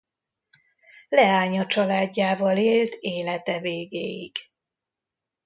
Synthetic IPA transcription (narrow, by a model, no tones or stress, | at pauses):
lɛaːɲɒt͡ʃɒlaːdɟːaːvɒleːlt̪ʰeːlɛt̪ɛveːɡeːjiɡ̥